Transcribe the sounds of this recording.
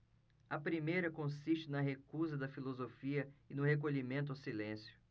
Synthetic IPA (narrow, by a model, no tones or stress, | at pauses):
ɐpɾimejɾɐkõsiʃt͡ʃɪnɐɦekuzɐd̪ɐfilozofiɐɪnʊɦek̬oʎimẽnt̪ʊawsilẽsjʊ̥